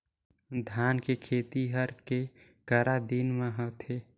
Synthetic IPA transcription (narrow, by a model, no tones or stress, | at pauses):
d̪ʱjaːnkekʰeːt̪iɦəɾke | kəɾad̪inmãɦət̪ʰeː